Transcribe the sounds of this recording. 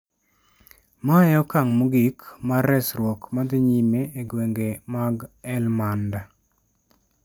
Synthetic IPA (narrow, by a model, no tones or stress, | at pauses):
majɔkaŋmuɡikmarɛsɾwɔkmad̪ɪɲimeeɡweŋɡemaɡɛlmanda